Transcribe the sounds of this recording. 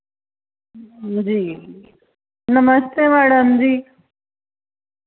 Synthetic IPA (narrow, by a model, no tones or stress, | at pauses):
d͡ʑiː | nəməst̪emæːɽəmd͡ʑiː